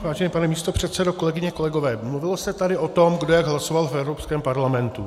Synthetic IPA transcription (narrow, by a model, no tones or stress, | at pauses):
vaːʒɛnɛpanɛmiːst̪o̞pr̝̥ɛt̪sɛdoko̞lɛɡɪɲɛko̞lɛɡo̞vɛːmluvɪlosɛt̪adɪʔo̞t̪o̞mɡdojaɡɦlaso̞valfɛvɾopskɛːmpaɾlamɛnt̪u